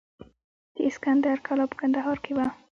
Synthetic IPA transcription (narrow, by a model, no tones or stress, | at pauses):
d̪̥əɪskand̪aɾkʰalɑpə̥kand̪aɦɑɾkewa